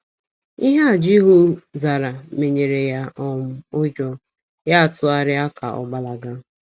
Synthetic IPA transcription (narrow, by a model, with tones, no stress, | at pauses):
i˦ɦa˦a˨d͡ʒi˦ɦʊ˦za˨ɾa˨me˨ɲe˨ɾe˨ja˦ʔɔ˦mʊ˦ʊ˦d͡ʒɔ˦ | ja˦a˨tʊ˦a˨ɾɪ˦a˦ka̰˨ɔ̰˨ɡ͡ba˦la˨ɡa˦